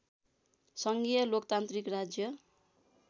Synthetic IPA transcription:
sʌŋɡijʌlokt̪ant̪rikrad͡zjʌ

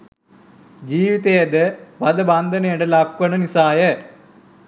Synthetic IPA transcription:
d͡ʒiːʋit̪ejɐd̪əʋɐd̪əbɐnd̪ʱənejəɖəlakʋɐnənisaːjə

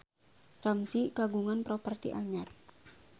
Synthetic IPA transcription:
ramt͡ʃikaɡuŋanpɾopərt̪ḭʔaɲar

